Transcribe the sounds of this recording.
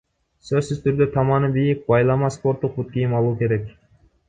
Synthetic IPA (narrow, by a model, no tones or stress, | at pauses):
søzsyzt̪ʰyɾd̪øt̪ʰɑmɑnɯbijik̚bɑjlˠɑmɑspo̞ɾt̪ːuq̚but̪̚kijimɑlˠuːke̞ɾe̞k